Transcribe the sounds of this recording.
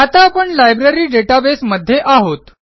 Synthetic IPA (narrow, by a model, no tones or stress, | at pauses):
at̪apəɳlajbɾeɾiːɖeʈabesməd̪ʱːjeʔaɦot̪